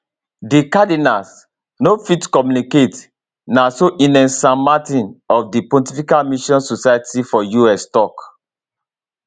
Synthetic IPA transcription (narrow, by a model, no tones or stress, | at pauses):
dikadinas | nofitkɔmjuniket | nasoʔĩnɛ̃nsãmatĩnɔfdipɔ̃ntifikalmiʃɔ̃nsosajatʰifɔjuɛstɔk